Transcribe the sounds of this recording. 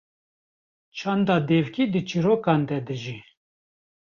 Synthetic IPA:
t͡ʃʰɑnd̪ɑːd̪eːvkid̪ɨt͡ʃʰiɾoːkɑːnd̪ɛd̪ɨʒi

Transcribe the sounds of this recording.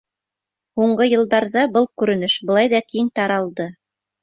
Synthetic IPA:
huɴɢɤjɤ̆lˠd̪ɑɾðɑbɤlˠkʉɾɘ̆nɘʃbɤ̆lˠɑjðɑk̪ijɘnt̪ɑɾɑlˠd̪ɤ

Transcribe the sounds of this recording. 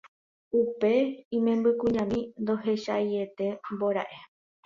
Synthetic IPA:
upe̞ĩmẽ̞mbɨkũɲãmĩnd̪o̞ɦe̞ʃaje̞t̪e̞mboɾa̰ʔe̞

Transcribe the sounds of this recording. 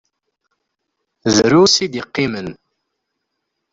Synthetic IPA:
ðɾusid̪iqːimən

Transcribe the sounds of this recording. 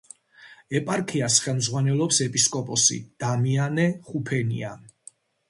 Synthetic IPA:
ɛpʼaɾkʰiasχɛlˠmzʁwanɛlˠɔpsɛpʼiskʼɔpʼɔsḭd̪̥amianɛχupʰɛnḭa

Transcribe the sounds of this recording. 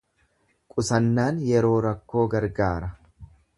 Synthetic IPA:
kʼʊsɐnːaːnjɛɾo̞ːɾɐkːo̞ːɡɐɾɡaːɾɐ

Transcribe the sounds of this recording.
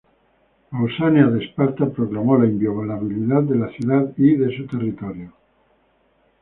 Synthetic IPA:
olsanjaðespaɾt̪apɾoklamolaimbjoβalaβiliðaðd̪elaθjuðaðiðesut̪e̞rit̪oɾjo

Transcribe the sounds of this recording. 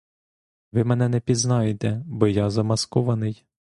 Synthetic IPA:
ʋɪmɛn̪ɛnɛpʲiznɑjet̪ɛbɔjɑzɐmɐskɔʋɐnɪj

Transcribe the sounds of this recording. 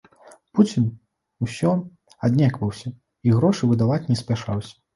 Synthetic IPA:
put͡sʲin | usʲɔ | ad̪ʲnʲakvɐwsʲɐ | iɣɾɔʂɨvɨd̪avat͡sʲnʲɛsʲpʲaʂawsʲɐ̥

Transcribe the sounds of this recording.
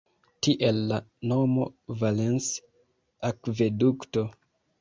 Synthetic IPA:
tiʔelːanomo̰valens | akvedukto

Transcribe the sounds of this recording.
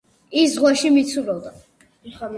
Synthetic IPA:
iszʁwaʃimit̪sʰuɾɔd̪a

